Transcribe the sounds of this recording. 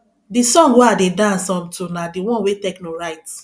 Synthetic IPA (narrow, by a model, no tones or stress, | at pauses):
disɔ̃ŋɡweadedasɔ̃mtonadiwɔ̃nwetɛknoɹaɪt